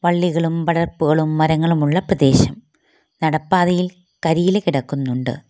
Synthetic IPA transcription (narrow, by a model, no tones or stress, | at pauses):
ʋɐɭːiɣɐɭumʋɐɽɐrpːuɣɐɭumːɐɾɐŋːɐɭumuɭːɐprɐd̪e̞ːɕɐm | nɐɽɐpːaːðɐjil | kɐɾiːlekiɽɐkːunːuɳɖɨ̰